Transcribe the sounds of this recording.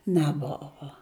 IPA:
nʲɛˈboːʋoː

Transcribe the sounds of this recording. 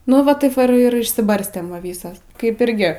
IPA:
nʊ ˈʋɐ ˈtɐɪp ʋɐ ɪr ɪr ɪʃʲsʲɪˈbɐrʲsʲtʲeːm ˈʋɐ ˈʋʲiːsɐs kɐɪp ˈɪrʲɡʲɪ

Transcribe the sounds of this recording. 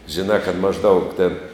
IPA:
ʒʲɪˈnɑː kɐt mɐʒˈdɐʊk tʲeːn

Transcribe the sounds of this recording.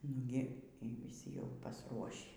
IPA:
ˈnʊɡʲɪ iː ʋʲiːˈsʲɪ jɛʊ pɐsˈruɔʃʲiː

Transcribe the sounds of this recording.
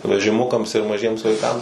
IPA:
ʋʲɛʒʲɪˈmʊkɐms ɪr mɐˈʒʲiɛms ʋɐɪˈkɐms

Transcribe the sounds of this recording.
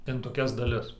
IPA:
ɪn toːˈkʲɛs dɐˈlʲɪs

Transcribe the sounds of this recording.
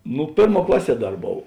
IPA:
ˈnʊ ˈpʲeːrˌmuɔ ˈklˠɑːˌsʲiɛ ˈdɐr ˈboːw

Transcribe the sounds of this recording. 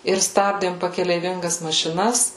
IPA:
ɪr ˈstɑːbʲdʲeːm pɐkʲɛlʲɛɪˈʋʲɪŋɡɐs mɐʃʲɪˈnɐs

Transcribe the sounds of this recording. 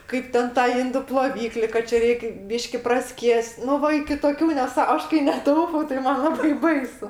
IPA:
ˈkɐɪp tʲɛn ˈtɑː ˈɪndʊ plˠoːˈʋʲiːklʲɪ kɐ ˈt͡ʃʲɛ ˈrʲɛɪkʲ ˈbʲiːʃʲkʲɪ prɐˈsʲkʲiɛsʲtʲ ˈnʊ ˈʋɐ ɪkʲɪ toːˈkʲuː nʲɛˈsɑː ˈɐʃ kɐɪ nʲɛˈtɐʊpɐʊ tɐɪ ˈmɐn ˈlˠɑːbɐɪ ˈbɐɪsʊ

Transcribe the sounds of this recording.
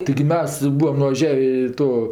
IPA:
tɐɪɡʲɪ ˈmʲɛs ˈbuːɐm nʊʋɐˈʒʲæːʋʲeː ɪ ˈtoː

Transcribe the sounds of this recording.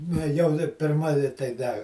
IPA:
nʲɛ ˈjɛʊ dɐ pʲɪrˈmɐ ɪ tɐɪ ˈdɐ

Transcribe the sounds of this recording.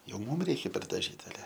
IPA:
ˈjɛʊ ˈmuːm ˈrʲɛɪkʲɛ pʲɛrdɐˈʒʲiːt ɐˈlʲɛ

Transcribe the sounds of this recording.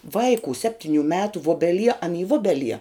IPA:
ˈʋɐɪkuː ˈsʲæːpʲtʲɪnʲʊ ˈmʲæːtʊ ˈʋʊbʲɛˌlʲiɛ ɐn iː ˈʋʊbʲɛˌlʲiɛ

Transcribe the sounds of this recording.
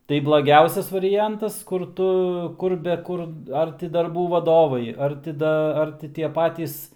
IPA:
tɐɪ blˠɐˈɡʲɛʊsʲɛs ʋɐrʲɪˈjɛntɐs kʊr ˈtʊ ˈkʊr bʲɛ ˈkʊr ˈɐr tʲɪ dɐrˈbuː ʋɐˈdoːʋɐɪ ˈɐr tʲɪ ˈdɐ ˈɐr tʲɪ tʲiɛ ˈpɑːtʲiːs

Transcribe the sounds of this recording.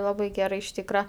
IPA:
ˈlˠɑːbɐɪ ˈɡʲæːrɐɪ ɪʃ ˈtʲiːkrɐ

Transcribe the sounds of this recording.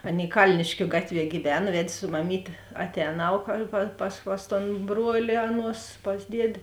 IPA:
ˈɑːˌnʲeːɪ ˈkɐlʲnʲɪʃʲkʲʊ ˈɡɑːtʲˌʋʲiɛ ɡʲiːˈʋʲæːnɐ ˈʋʲɛtʲ sʊ mɐˈmʲiːtʲeː ɐˈtʲɛːnɐʊ kɐ pɐ pɐs pɐs toːn ˈbruɔlʲɪ ˈɑːˌnuɔs pɐs ˈdʲiɛdʲeː

